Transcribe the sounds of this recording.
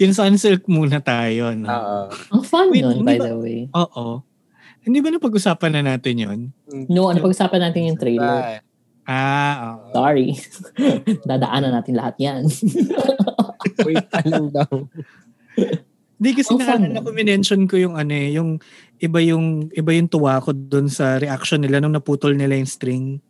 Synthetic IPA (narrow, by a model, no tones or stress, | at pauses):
jʊns̬ɐʔɐnsɛlk̚muːnɐt̪aːjonoʔoofanonɪnbajd̪ɐwejʔoːʔo | hɪnd̪iːbɐnɐpɐɡ̚ʔʊsaːpɐnːɐnaːt̪ɪnjo̰nnoʔnɐpɐɡ̚ʔʊsaːpɐnːaːt̪ɪnjʊŋt̪ɾejlɛɾ | ʔaːʔoːʔsaːɹi | d̪aːd̪ɐʔaːnɐnaːt̪ɪnlɐhat̪̚jan | ɛt̪̚ɐlɐŋd̪ɐw | hɪnd̪ikɐsɛnɐanɐkʊmɪnɛnʃonkojʊŋʔɐnoɛjʊŋ | ʔɪbajʊŋʔɪbajʊŋt̪ʊwaːkod̪ʊnsɐɾɛʔakʃonːɪlanʊŋnɐpuːt̪olnɪlɐjʊŋst̪ɾiŋ